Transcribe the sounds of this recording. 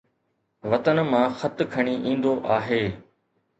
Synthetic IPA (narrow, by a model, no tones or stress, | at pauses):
ʋɐt̪ənmãːxɐt̪kʰɐɽ̃iʔĩːn̆d̪oʔaːɦeː